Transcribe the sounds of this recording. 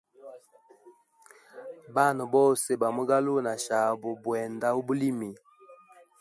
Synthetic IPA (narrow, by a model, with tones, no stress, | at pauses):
ba˦˨nɔ˨bɔ˦˨se˨ba˨mu˦ɡa˦lo˦˨na˨ʃa˨bo˨bwɛ˨nda˦u˦bu˦li˦mi˨